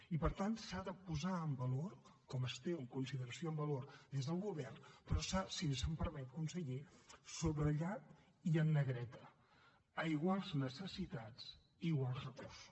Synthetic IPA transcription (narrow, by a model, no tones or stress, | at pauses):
ipəɾt̪ansaðəpuzaəmbəloɾkɔməst̪ewəŋkunsiðəɾəsioəmbəloɾd̪ezðəlˠɣuβɛrnpɾɔsasinsəmpəɾmɛt̪kunsəɣisoβɾəʎat̪ | iənːəɣɾɛt̪ə | əiɣwalˠznəsəsit̪at͡s | iːɣwalˠsrəkoɾsu̥